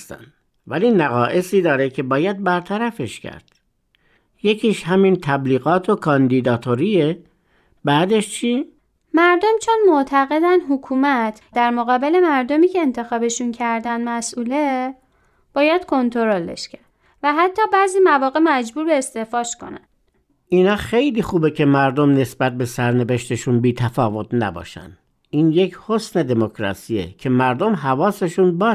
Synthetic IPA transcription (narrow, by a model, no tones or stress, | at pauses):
st̪æ̰nd̪ | væliːnæɣɒːʔe̞siːd̪ɒːɾecʰe̞bɒːjæd̪̚bæɾt̪ʰæɾæfeʃcʰæ̰ɾd̪̥ | jecʰiːʃhæmint̪ʰæbliːɣɒːt̪ʰokʰɒnd̪iːd̪ɒːt̪ʰoɾie | bæːd̪eʃt͡ʃʰiː | mæɾd̪omt͡ʃʰonmoʔt̪ʰæɣe̞d̪ænɦukʰuːmæt̪ʰ | d̪æɾmoɣɒːbele̞mæɾd̪omiːcʰe̞ːnt̪ʰe̞xɒːbe̞ʃuncʰæɾd̪ænd̪mæsʔuːle | b̥ɒːjæd̪̥kʰo̞nt̪ʰo̞ɾolḛʃcʰæ | væɦæt̪ʰːɒːbæziːmævɒːɣemæd͡ʒbuːɾbe̞ːst̪e̞fɒːʃko̞̰næ̰n | ʔinɒːxejliːxuːbe̞cʰe̞mæɾd̪omne̞sbæt̪̚be̞sæɾneveʃt̪eʃunbiːt̪ʰæfɒːvo̞t̪ʰnæ̰bɒ̰ːʃæ̰nd̪ | ʔiːnjecʰhosne̞d̪e̞mokʰɾɒ̰siːḛcʰe̞mæɾd̪omɦævɒːse̞ʃunbɒː